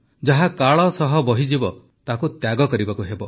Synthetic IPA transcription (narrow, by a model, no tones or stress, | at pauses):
d͡ʒaɦakaɭɔsɔɦɔbɔɦid͡ʒibɔ | t̪akut̪jaɡɔkɔɾibakuɦebɔ